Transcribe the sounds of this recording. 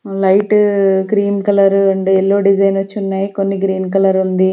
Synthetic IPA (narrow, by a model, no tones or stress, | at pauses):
lɐjʈkɾiːmkɐlɐɾɐɳɖeɛlːoːɖid͡ʒɐjnɐt͡ʃːunːaːjikonːiɡɾiːnk̬ɐlɐɾund̪i